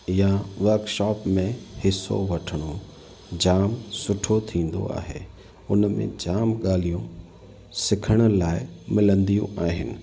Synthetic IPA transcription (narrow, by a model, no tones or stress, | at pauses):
ɪjaʋɐɾkʃɔːpmẽhɪso̰ʋɐʈʰəɽ̃o | d͡ʑaːmsʊʈʰot̪ʰĩːn̆d̪o̰a̰ːɦḛː | ʊnmḛ̃d͡ʑaːmɠaːlijũ | sɪkʰəɽ̃ʊ̆laːɪmɪlə̃nd̪ijṵ̃aːɦɪnɪ̰̆